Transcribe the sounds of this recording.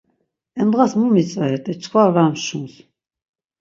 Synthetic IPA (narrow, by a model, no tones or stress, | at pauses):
ɛnd̪ʁasmumit͡sʼaɾɛt̪ʼɛt͡ʃʰʼkʰvaɾaːmʃuns